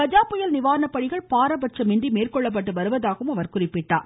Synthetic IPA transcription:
ɐd͡ʒaːpːʊjɐlnɪʋaːɾɐnɐpːɐɽɪɣɐɭpaːɾɐbɐʈ̚t͡ʃɐmɪɳdrimeːrkɔɭːɐp̬ːɐʈːɯʋɐɾɯʋɐðaːɣɯmɐʋɐɾkʊrɪpːɪʈːa̰ːɾ

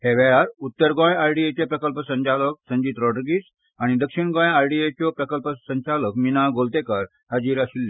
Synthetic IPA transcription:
heʋɛaɾut̪ːəɾɡɔ̃jajɖiet͡ɕepɾəkəlpəsəɲt͡ɕalək̚sə̃ɲd͡ʑiːt̪ɾɔʈəɾɡiːs | aɽ̃id̪əkʂiɳɡɔ̃jajɖiet͡ɕɔpɾəkəlpəsəɲt͡ɕaləkminaɡolt̪ekaɾ | ɦəd͡ʑiːɾaɕilːe

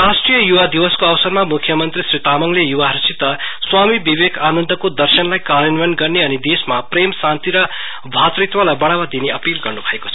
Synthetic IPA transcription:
rasʈrijʌjuwad̪iwʌskoawsʌrmamukʰjʌmʌnt̪risrit̪amʌŋlejuwaɾisit̪ːʌswamibibekʰanʌnd̪ʌkod̪ʌrsʌnlajkaɾʌnʋʌnɡʌrneʌnid̪esmapremsant̪iɾʌ | bʱat̪rit̪walajbʌɽ̃amad̪ineʌpilɡʌrnubʱʌeko̥t͡sʰʌ

